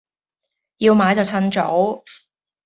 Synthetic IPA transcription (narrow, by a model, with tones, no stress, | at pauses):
ji˧wmaː˨˥jt͡sɐ˨wt͡sʰɐ˥nt͡so̰˨˥w